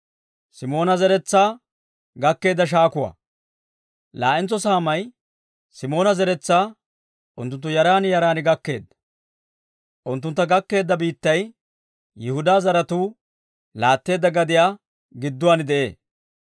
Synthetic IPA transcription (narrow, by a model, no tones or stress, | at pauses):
sɪmo̞ːnɐzɛɾɛt͡sːaː | ɡɐkːe̞ːd̪ːɐʃ̬aːkʊwa̰ː | la̰ːʔɪnt͡sːɔsaːmɐj | sɪmo̞ːnɐzɛɾɛt͡sːaː | ʔʊnt̪ːʊnt̪ːʊjɐɾaːnjɐɾaːnɪɡɐkːe̞ːd̪ːɐ̥ | ʔʊnt̪ːʊnt̪ːɐɡɐkːe̞ːd̪ːɐbiːt̪ːɐj | jɪhʊd̪aːzɐɾɐt̪uː | laːt̪ːe̞ːd̪ːɐɡɐd̪ɪjaː | ɡɪd̪ːʊwaːnɪd̪ɛʔe̞̰ːs